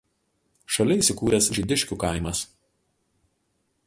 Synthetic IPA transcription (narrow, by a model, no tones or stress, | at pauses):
ʃɐlʲɪiˑsʲɪkuːɾʲɛsʒʲɪd̪ʲɪʃʲkʲuˑkɐˑɪmɐs